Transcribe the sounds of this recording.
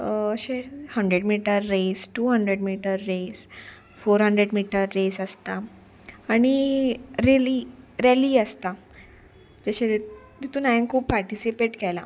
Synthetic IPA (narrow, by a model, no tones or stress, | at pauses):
əɕehəɳɖɾeɽmiʈəɾːesʈuːɦəɳɖɾeɽmiʈəɾːes | foɾɦəɳɖɾeɽmiʈəɾːesəst̪aː | ɽ̃iɾeliɾeliːəst̪a | d͡ʑəɕe | d̪it̪unajə̃nkʰuːpːaɾʈisipeʈkɛla̰